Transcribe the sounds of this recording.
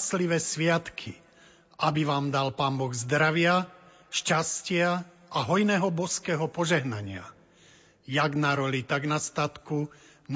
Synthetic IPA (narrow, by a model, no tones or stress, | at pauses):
sliʋɛːsʋɪat̪kʰi | ʔabiʋaːmd̪alpaːmbɔɣzd̪ɾaʋɪa | ʃcascɪa | ʔaɦɔjnɛːɦɔbɔskɛːɦɔpɔʒɛɦnaɲɪa̰ | jaɡnaɾɔlit̪aɡnast̪at̪ku | n